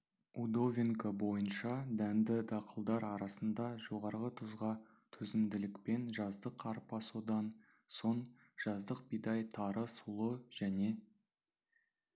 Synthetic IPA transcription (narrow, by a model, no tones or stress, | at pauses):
ud̪o̞vʲiŋkəbo̞jənʃɑd̪ænd̪ɪd̪ɑqʰəlˠd̪ɑɾɑɾɑsənd̪ɑʒo̞ʁɑɾʁət̪ʰʊzʁɑ | t̪ʰɵzɪmd̪ɪlɪkpe̞nʒɑzd̪əqʰːɑɾpːɑsud̪ɑn | so̞n | ʒ̥ɑzd̪əq̚bijd̪ɑjt̪ʰɑɾəsulˠəʒ̥æne̞